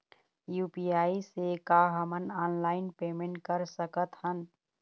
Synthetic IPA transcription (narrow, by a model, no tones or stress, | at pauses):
juːpiaːisekaɦəmənaːnlaːɪnpeːmẽɳʈkəɾsəkət̪ɦən